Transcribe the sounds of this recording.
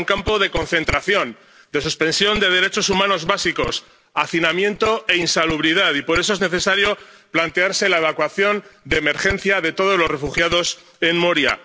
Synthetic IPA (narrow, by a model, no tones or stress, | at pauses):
ŋkampo̞ð̞e̞ko̞nθe̞nt̪ɾaθjo̞n | d̪e̞suspe̞nsjo̞nd̪e̞ð̞e̞ɾe̞t͡ʃo̞sumãno̞zβasiko̞s | aθinamjẽ̞nt̪o̞e̞insaluβɾiðaðipo̞ɾe̞s̬o̞e̞zne̞θe̞saɾjo̞ | plant̪e̞aɾse̞lae̞β̞akwaθjo̞nd̪eːme̞ɾxẽ̞n̟θjaðe̞t̪o̞ð̞olo̞zrefuxjaðo̞s | e̞nmoɾja̰